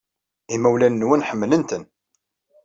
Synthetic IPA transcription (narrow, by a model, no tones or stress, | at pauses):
imæwlænːwənħəmːlənt̪ən